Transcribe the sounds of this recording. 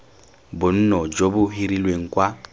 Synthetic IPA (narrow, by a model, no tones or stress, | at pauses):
bʊn̩nɔd͡ʒobʊɦiɾilweŋ̩kʼwa